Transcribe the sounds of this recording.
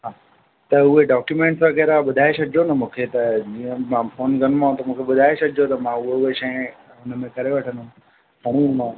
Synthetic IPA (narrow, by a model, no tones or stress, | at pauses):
ɦãː | t̪ɐʊɦeɖaːkjumẽːɳʈsʋɐɣɛːɾaɓʊd̪ʱaːesɐd̪ʱd͡ʑonɐmũːkʰet̪ɐd͡ʑiːə̃mãfoːnɡɐnmãːõt̪ɐmũːkʰeɓʊd̪ʱaːesɐd̪ʱd͡ʑot̪ɐmãʊɦoʊɦeʃɐ̃ɦẽ | ʊnəmẽkɐɾeʋɐʈʰə̃nd̪ũ | pɐɽ̃inmã